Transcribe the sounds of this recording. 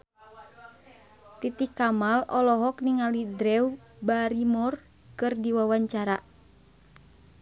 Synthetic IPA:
t̪it̪ikamalɔlɔɦɔkniŋalidɾɛu | baɾimɔr | kɨrdiwawaɲt͡ʃaɾa

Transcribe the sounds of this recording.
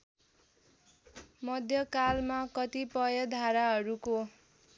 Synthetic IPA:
mʌd̪ʱjʌkalmakʌt̪ipʌjʌd̪ʱaɾaɦʌɾuko

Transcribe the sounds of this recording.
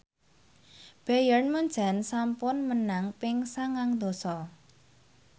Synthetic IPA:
b̥ajərnmuɲd͡ʒʒa̤nsampʊnmənaŋpɪŋsaŋaŋd̪o̤sɔ

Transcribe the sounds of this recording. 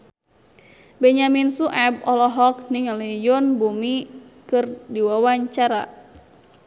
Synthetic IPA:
bɛɲaminsuʔɛb̚ɔlɔɦɔk̚niŋlijɔnbumikɨrdiwawaɲt͡ʃaɾa̰

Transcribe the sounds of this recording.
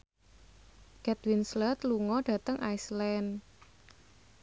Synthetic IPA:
kɛt̪winslət̪luŋɔɖ̥ä̤t̪əŋʔajslɛn

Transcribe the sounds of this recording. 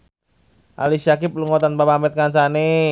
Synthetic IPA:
ʔa̰lisak̬ɪp̚luŋot̪anpapamɛt̪̚kansane

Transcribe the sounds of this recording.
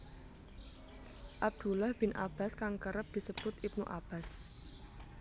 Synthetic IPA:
ʔab̚d̪̥ulahb̥ɪnʔa̰b̥a̤skaŋkəɾəp̚d̪̥i̤səb̥ʊt̪ip̚nuʔab̥as

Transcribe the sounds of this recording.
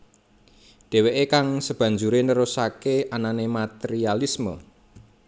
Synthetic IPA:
ɖ̪̥e̤weʔekaŋsəb̥ä̤ɲd͡ʒuɾenəɾusakeʔananemat̪eɾialismə̰

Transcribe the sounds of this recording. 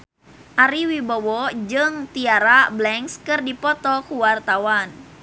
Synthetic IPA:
ʔaɾiwibɔwɔd͡ʒɨŋt̪iaɾablɛŋskɨrdipɔt̪ɔkuwart̪awan

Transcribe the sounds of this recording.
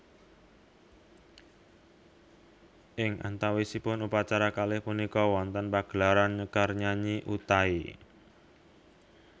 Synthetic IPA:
ʔɪŋʔa̰nt̪awisipʊnupat͡ʃaɾakalɪhpunikɔwɔnt̪ənpaɡ̥laɾanɲəkərɲaɲiʔut̪ai

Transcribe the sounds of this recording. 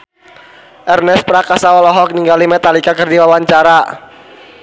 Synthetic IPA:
ʔɛrnɛspɾakasawɔlɔɦɔk̚niŋɡalimɛt̪alikakɨrdiwawaɲt͡ʃaɾa

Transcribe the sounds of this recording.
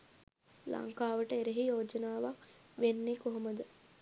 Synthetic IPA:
lɐ̰ŋkaːʋəʈəeɾeɦijoːd͡ʒənaːʋaʋenːekoɦoməd̪ə

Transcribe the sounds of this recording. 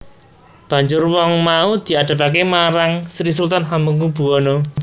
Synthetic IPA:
b̥a̤ɲd͡ʒʊrwɔŋmaud̪̥i̤aɖ̪̥a̤pakemaɾaŋsɾis̬ult̪anɦambuŋub̥ṳɔno

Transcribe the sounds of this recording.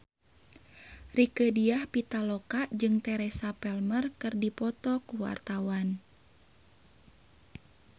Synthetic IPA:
rikədiahpit̪alɔkaʔd͡ʒɨŋt̪ɛɾɛsapɛlmərkɨrdipɔt̪ɔkuwa̰rt̪awan

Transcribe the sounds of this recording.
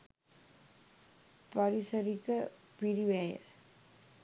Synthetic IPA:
pɐɾɪsɐɾikːɐpiɾiʋeːjɐ̰

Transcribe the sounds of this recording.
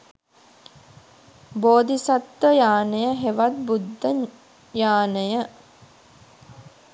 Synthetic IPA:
boːd̪isat̪ʋəjaːnəjəɦeʋat̪̚bud̪ʱːə | jaːnəjə

